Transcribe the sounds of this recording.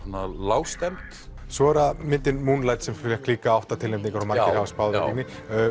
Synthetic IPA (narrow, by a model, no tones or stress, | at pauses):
ɔnalaːwst̪ɛmt̪ | svɔːɛɾamɪnt̪ɪnmunlaːjt̪sɛmfɪɾjakʰliːkaawht̪at̪ʰɪlemt̪iŋkʰaɾmaɪɾhaːvaspawðiknɪ